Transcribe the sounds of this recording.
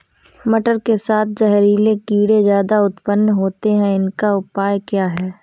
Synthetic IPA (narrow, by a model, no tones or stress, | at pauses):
mɐʈəɾkesaːt̪̚ʰd͡ʒɐɦɾiːlekiːɽezjaːd̪aʊt̪pənːɦoːt̪eɦɛ̃ɪnkaʊpaːjkjaːɦɛː